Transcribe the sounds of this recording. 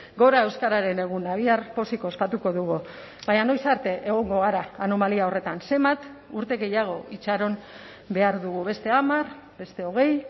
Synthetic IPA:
ɡo̞ɾae̞wskaɾaɾe̞ne̞ɣ̞unaβ̞iarpo̞siko̞spat̪uko̞ðuɣ̞u | βaɲano̞jsaɾt̪e̞ʔeɣ̞o̞ŋɡo̞ɣ̞aɾaːno̞maliao̞re̞t̪anse̞mbat̪ | uɾt̪e̞ɣe̞jaɣ̞o̞ʔit͡ʃaɾo̞n | be̞aɾðuɣuβe̞st̪e̞amaɾ | be̞st̪e̞o̞ɣ̞e̞j

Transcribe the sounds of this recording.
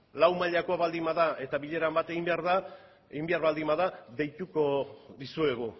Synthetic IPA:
lawmaʎako̞aβald̪imaðae̞t̪aβiʎe̞ɾambat̪e̞ɣimbeaɾða | eɣimbeaɾβald̪imaðaðe̞jt̪uko̞ðisue̞ɣ̞u

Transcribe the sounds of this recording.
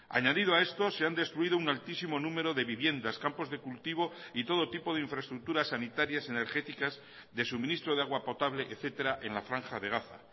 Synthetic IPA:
a̰ɲaðiðoae̞st̪ose̞and̪e̞st̪ɾuið̞ounalt̪isimo̞nũme̞ɾo̞ðe̞βiβje̞nd̪askampo̞zðe̞kult̪iβ̞o̞it̪o̞ð̞o̞t̪ipo̞ðeiɱfɾaest̪ɾuk̚t̪uɾasːanit̪aɾjase̞ne̞ɾxe̞t̪ikaz | ðe̞sumĩnist̪ɾo̞ð̞eaɣwapo̞t̪aβle̞ʔeθe̞t̪e̞ɾaʔe̞nlafɾaŋxaðe̞ɣaθa̰

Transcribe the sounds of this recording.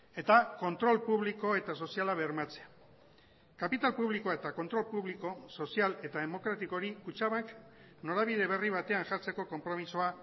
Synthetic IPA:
e̞t̪ako̞nt̪ɾo̞lpuβliko̞e̞t̪aso̞sijalaβeɾmat͡sea | kapit̪alpuβ̞liko̞et̪ako̞nt̪ɾo̞lpuβliko̞so̞siale̞t̪aðe̞mo̞kɾat̪iko̞ɾikut͡ʃaβak | no̞ɾaβiðe̞β̞e̞riβ̞at̪e̞anʝaɾt͡se̞ko̞ko̞mpɾo̞misoa

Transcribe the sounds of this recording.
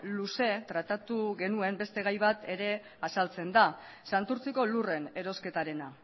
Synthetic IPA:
luse̞t̪ɾat̪at̪uɣe̞nue̞mbe̞st̪e̞ɣ̞ajβat̪e̞ɾe̞ | asalt͡se̞nd̪a | sant̪uɾt͡siko̞lure̞ne̞ɾo̞ske̞t̪aɾe̞na

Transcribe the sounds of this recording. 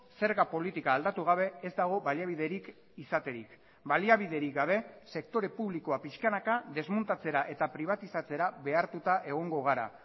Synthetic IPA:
se̞ɾɣapo̞lit̪ikaːld̪at̪uɣ̞aβ̞e̞ezd̪aɣ̞o̞βaliaβiðe̞ɾik | isat̪e̞ɾik | baliaβ̞ið̞e̞ɾikɡaβ̞e̞se̞k̚t̪o̞ɾe̞puβliko̞apiskanakaðe̞zmunt̪at͡se̞ɾaʔe̞t̪apɾiβ̞at̪isat͡se̞ɾaβe̞aɾt̪ut̪aʔe̞ɣ̞o̞ŋɡo̞ɣ̞aɾa̰

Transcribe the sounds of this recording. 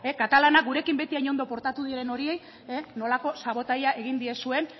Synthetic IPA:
ekat̪alanak̚ɡuɾe̞kimbe̞t̪iajɲo̞nd̪o̞po̞ɾt̪at̪uðieɾe̞no̞ɾie̞j | eno̞lako̞saβo̞t̪ajae̞ɣind̪iesue̞n

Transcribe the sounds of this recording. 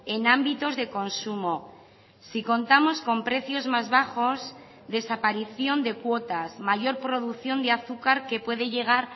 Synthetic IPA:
e̞nãmbit̪o̞zðe̞ko̞nsumo | siko̞nt̪amo̞sko̞mpɾe̞θjo̞zmazβaxo̞s | ðe̞sapaɾiθjo̞nd̪e̞kwo̞t̪asmaʝo̞ɾpɾo̞ð̞uθjo̞nd̪eaθukaɾke̞pwe̞ðeʝe̞ɣ̞aɾ

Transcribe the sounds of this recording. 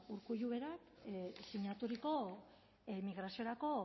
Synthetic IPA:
uɾkuʎuβe̞ɾaksiɲat̪uɾiko̞ | miɣɾasio̞ɾako̞

